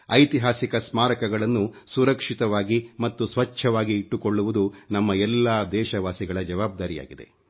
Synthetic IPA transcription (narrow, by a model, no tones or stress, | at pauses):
ɐjt̪iɦaːsikɐsmaːɾɐkɐɡɐɭɐnːusuɾɐkʂit̪ɐʋaːɡimɐt̪ːusʋɐt͡ʃːʰɐʋaːɡiːʈːukoɭːuʋud̪unɐmːɐɛlːaːd̪ɛːʃɐʋaːsiɡɐɭɐd͡ʒɐʋaːb̚d̪aːɾija̰ːɡid̪e̞̰